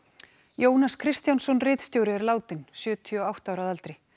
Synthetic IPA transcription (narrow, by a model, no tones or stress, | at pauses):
joːwnaskʰɾɪst̪jansɔnrɪːt̪st̪jowɾɪɛɾlaːwt̪ɪnsjœːt̪ʰiɔawht̪awɾaðalt̪ɾɪ